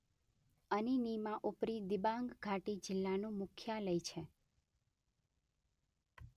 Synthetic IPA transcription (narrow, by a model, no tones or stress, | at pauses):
əninimãʔupɾid̪ibãŋɡɡʱaʈid͡ʒɪlːanũmʊkʰjaləjt͡ʃʰe